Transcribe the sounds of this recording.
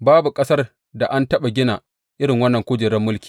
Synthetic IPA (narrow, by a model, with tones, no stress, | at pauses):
baː˦bu˨kʼɐ˦sɐ˦r | da˨ʔa˦ntɐ˦ɓa˨ɡʲɪ˦naː˨ | ʔɪ˦ɽɪ˨ŋwɐ˦nːɐ˨ŋkʷʊː˦d͡ʒɪ˨ɽɐ˦mːʊ˦lkʲi̥ː˨